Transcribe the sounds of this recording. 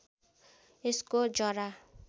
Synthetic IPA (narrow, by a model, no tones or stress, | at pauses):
eskod͡zʌɾa